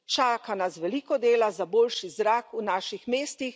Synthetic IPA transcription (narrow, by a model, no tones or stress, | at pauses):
t͡ʃaːkanasʋɛliːkɔd̪eːlazaboːlʃizɾaːkunaːʃixmeːst̪ix